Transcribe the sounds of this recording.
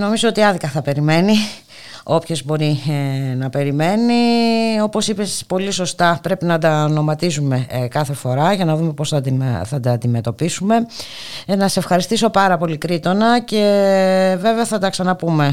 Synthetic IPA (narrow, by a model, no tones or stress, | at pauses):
no̞mizoot̪iɐðikɐθɐpe̞ɾime̞ni | o̞pço̞zbo̞ɾinɐpe̞ɾime̞nio̞po̞sipespo̞lisost̪ɐpɾe̞pinɐd̪ɐno̞mɐt̪isume̞kɐθe̞fo̞ɾɐʝɐnɐðume̞posθɐd̪iθɐd̪ɐnd̪ime̞t̪o̞pisume̞ | nɐse̞fxɐɾist̪iso̞pɐɾɐpo̞likɾit̪o̞nɐce̞ | ve̞veɐθɐd̪ɐksɐnɐpume̞